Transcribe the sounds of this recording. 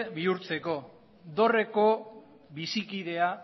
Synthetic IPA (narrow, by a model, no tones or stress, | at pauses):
βiuɾt͡se̞ko̞ | d̪o̞re̞ko̞ | βisikiðe̞a